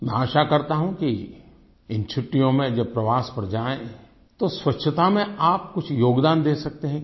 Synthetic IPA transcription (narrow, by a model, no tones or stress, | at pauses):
mɛ̃aːʃakɐɾt̪aɦũki | ɪnt͡ʃʰʊʈːijõmẽd͡ʒɐb̚pɾɐʋaːspɐɾd͡ʒaːẽ | t̪oswɐtːʃʰət̪amẽaːp̚kʊt͡ʃʰjoːɡd̪aːnd̪eːsɐk̚t̪eɦɛ̃